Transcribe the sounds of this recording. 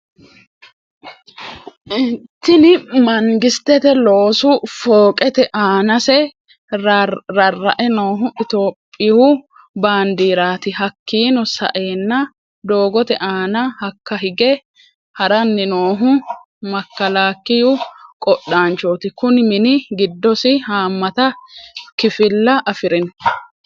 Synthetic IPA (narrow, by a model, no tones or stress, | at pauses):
ʔɪt̪ːɪnɪmɐŋɡɪst̪ːɛt̪ɛloːsʊfoːkʼɛt̪ɛʔaːnɐsɛ | ɾɐrːɐʔɛno̞ːɦʊʔɪt̪o̞ːpʼːɪhʊ | baːnd̪iːɾaːt̪ɪhɐkːiːnɔsɐ̰ʔe̞ːnːɐ | d̪o̞ːɡɔt̪ɛʔaːnɐhɐkːɐɦɪɡɛ | hɐɾɐnːɪnoːɦʊ | mɐkːɐlaːkːɪjʊkʼɔɗːaːnt͡ʃoːt̪ɪkʊnmɪnɪɡɪd̪ːɔsɪhaːmːɐt̪ɐkɪfɪlːɐʔɐfɪɾɪn